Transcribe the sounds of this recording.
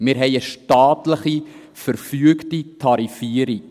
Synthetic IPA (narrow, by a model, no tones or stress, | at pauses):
mɪːɾɦɛɪəʃtɑːtləχi | fəɾfyəktitʰɑɾifiəɾik